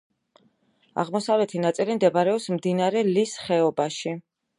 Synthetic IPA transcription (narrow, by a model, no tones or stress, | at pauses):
a̰ʁmɔsavlɛt̪ʰinat̪sʼilimd̪ɛbaɾɛɔpsmd̪inaɾɛlisχɛɔbaʃi